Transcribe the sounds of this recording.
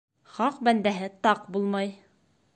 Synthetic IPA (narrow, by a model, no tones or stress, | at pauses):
χɑqbænd̪æɦɘt̪ɑqbulˠmɑj